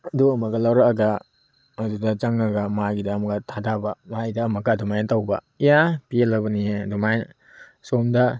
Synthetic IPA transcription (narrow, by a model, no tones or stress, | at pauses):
ɐduɐmɐɡɐlawɾɐkɐɡɐː | dudɐt͡ʃɐŋɐɡɐmaɡidɐːmɐɡɐtʰadabɐmaidɐːmɐɡɐdumajntawbɐ̰ | ijapielɐbɐniedumajn | somdɐ